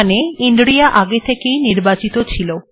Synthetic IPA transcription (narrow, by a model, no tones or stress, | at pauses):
neinɖɾiaʔaɡet̪ʰekejniɾbat͡ɕit̪ot͡ɕʰilo